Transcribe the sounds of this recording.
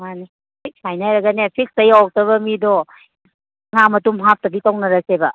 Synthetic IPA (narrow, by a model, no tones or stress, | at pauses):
mani | sajnajɾɐɡɐnepʰik̚stɐjawk̚tɐβɐmidɔ | ŋamɐtumɦap̚tɐbitawnɐɾɐsebɐ